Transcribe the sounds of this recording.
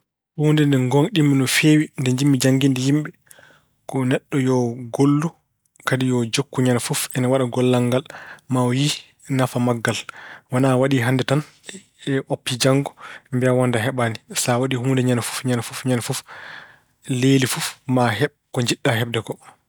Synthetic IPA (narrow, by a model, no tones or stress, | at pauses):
huːndɛndɛŋɡoŋɗimːinɔfewindɛɲd͡ʒimːid͡ʒaŋɡindɛjimɓɛ | kɔnɛɗːɔjɔɡolːu | kadijɔd͡ʒokːuɲanfufɛnawaɗaɡɔlːaŋɡalmaji | nafamaɡːalwanawaɗiɦandɛtan | ɛʔopːid͡ʒaŋɡɔmbiawɔndaɦɛɓanisawaɗihuːndɛɲanfu̥fɲanfufɲanfuf | lelifufmaɦɛɓkɔɲd͡ʒiɗːaɦɛbdɛkɔ